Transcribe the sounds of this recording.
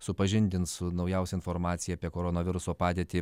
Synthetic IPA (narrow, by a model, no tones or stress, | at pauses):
sʊpɐʒʲɪnʲd̪ʲɪnt̪sʊnɐʊjɛʊsʲɛɪnfoɾmɑːt̪sʲɪjɛɐpʲiɛkoːɾonoːʋʲɪɾʊsoːpɑːd̪ʲeːt̪ʲɪ